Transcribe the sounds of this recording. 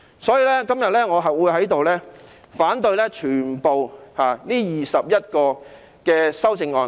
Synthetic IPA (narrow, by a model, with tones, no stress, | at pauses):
sɔː˨˥jiː˧lɛː˥kɐ˥mjɐ˨t̚lɛː˥ŋɔː˨˧ɦɐ˨wuː˨˧jɦɐ˨˥jt̪o˨wlɛː˥ | faː˨˥nt̪ɵ˧ɥlɛː˥t͡ʃʰyː˨˩npo˨whaː˨niː˥jiː˨sɐ˨p̚jɐ˥t̚kɔː˧ | kɛː˧sɐ˥wt͡sɪ˧ŋɔː˧n